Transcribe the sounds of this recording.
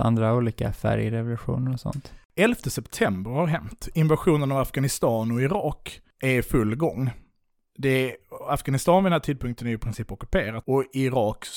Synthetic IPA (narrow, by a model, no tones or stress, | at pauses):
a̰nd̪ɾauːliːka̰fæ̰ɾjɾɛvʊlʉɧṵːnəɾɔsɔ̰nt̪ɛlft̪əsɛpt̪ʰɛmbəɾhaɾɦɛmt̪ɪnvaɧuːnənavafɡanɪst̪ɑːnɔɪɾɑːk | ʔɛɾfɵlːɡɔŋː | d̪ɛafɡanɪst̪ɑːnfɔd̪ɛnæːʈʰiːd̪̚pʰɵŋkt̪ənæɾjɪpʰɾɪnsiːpɔkɵ̥pʰeːɾat̪ɔɪɾɑːk